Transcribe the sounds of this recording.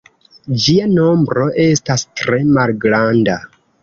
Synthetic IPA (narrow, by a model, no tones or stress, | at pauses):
d͡ʒiano̞mbɾo̞ʔe̞stastɾe̞malɡɾanda